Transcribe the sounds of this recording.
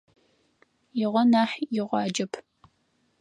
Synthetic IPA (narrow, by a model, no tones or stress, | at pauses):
jɪʁʷɔnaːħjɪʁʷɑːd͡ʒɐpʰ